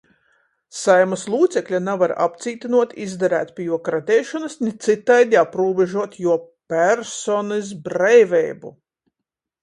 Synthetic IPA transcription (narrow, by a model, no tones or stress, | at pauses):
sajmɐslˠuːt̪sɛklʲanavaɾa̰pt̪siːt̪inuɔt̪izd̪aɾæ̰ːt̪pʲijuɔkɾat̪ʲɛːʃɔnɐsnʲit̪sit̪ːajd̪iapɾuːbɛʒuɔt̪juɔpʲæɾsɔnɛzbɾɛjvʲɛjbṵ